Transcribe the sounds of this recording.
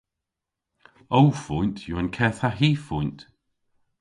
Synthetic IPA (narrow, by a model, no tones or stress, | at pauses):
owfʊntʰjuənkʰɛːθaɦiːfʊjnt